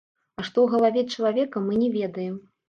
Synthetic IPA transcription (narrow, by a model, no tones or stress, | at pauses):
ɐʂt̪ɔwɣɐlˠavʲɛt͡ʂɐlˠavʲɛkɐmɨnʲɛvʲɛd̪ɐjɛm